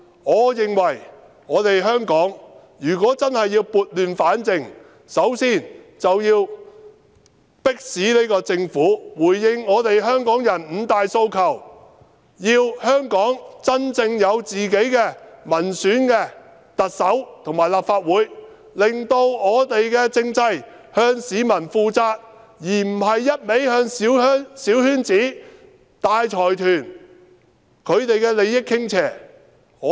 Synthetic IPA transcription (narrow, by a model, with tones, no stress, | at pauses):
ŋɔː˨˧jɪ˨ŋwɐ˨˩j | ŋɔː˨˧t̪e˨jɦœː˥ŋkɔː˨˥ŋ | jyː˨˩kɔː˨˥t͡sɐ˥nhɐ˨jːiː˧wpuː˨t̚lyː˨nfaː˨˥nt͡sɪ˨ŋ | sɐ˨˥wsiː˥˩n | t͡sɐ˨wjiː˧w | pɪ˥k̚siː˨˥ne˥jkɔː˧t͡sɪ˧ŋfuː˨˥wuː˨˩jːɪ˧ŋɔː˨˧t̪e˨jɦœː˥ŋkɔː˨˥ŋjɐ˨˩nm̩˨˧t̪aː˨jso˧wkʰɐ˨˩w | jiː˧whœː˥ŋkɔː˨˥ŋt͡sɐ˥nt͡sɪ˧ŋjɐ˨˧wt͡siː˨ke˨˥jkɛː˧mɐ˨˩nsyː˨˥nkɛ˧ | t̪ɐ˨t̚sɐ˨˥wt̪ʰo˨˩ŋmaː˨˩jlaː˨p̚faː˧t̚wuː˨˥j | lɪ˨ŋt̪o˧wŋɔː˨˧t̪e˨jkɛː˧t͡sɪ˧ŋt͡sɐ˧j | hœː˧ŋsiː˨˧mɐ˨˩nfuː˧t͡saː˧t̚ | jiː˨˩m̩˨˩ɦɐ˨jːɐ˥t̚me˨˥jhœː˧ŋ˨˥siː˨˥whyː˥nt͡siː˨˥ | t̪aː˧jt͡ʃʰɔː˨˩jt̪ʰyː˨˩n | kʰɵ˨˧ɥt̪e˨jkɛː˧le˨˧jjɪ˥kʰːɪ˥ŋt͡sʰɛː˨˩ | ɔː˨˧